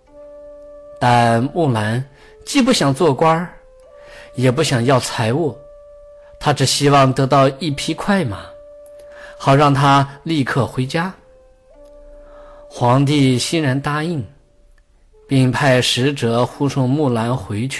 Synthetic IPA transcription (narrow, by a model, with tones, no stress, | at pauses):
t̪a˥˧nmu˥˩la˧˥n | t͡ɕi˥˩pu˥˩ɕjɑ˨˩ŋt͡swɔ˥˩kwa˥ | jɛ˨˩p̬u˥˩ɕjɑ˨˩ŋjɑ˥˩ʊt͡sʰa˧˥ɪu˥˩ | t̪ʰa˥ʈ͡ʂɻ̩˨˩ɕi˥wɑ˥˩ŋt̪ɤ˧˥t̪ɑ˥˧ʊi˥˩pʰi˧˥kʰwa˥˩ɪmɐ˨˩ | xɑ˨˩ʊɻɑ˥˩ŋt̪ʰa˥li˥˧kʰɤ˥˩xwe˧˥ɪt͡ɕja˥ | xwɑ˧˥ŋt̪̬i˥˧ɕi˥nɻa˧˥nt̪a˥i˥˩ŋ | pi˥˧ŋpʰa˥˩ɪʂɻ̩˧˥ʈ͡ʂɤ˨˩xu˥ʂʰʊ˥˧ŋmu˥˩la˧˥nxwe˧˥ɪt͡ɕʰ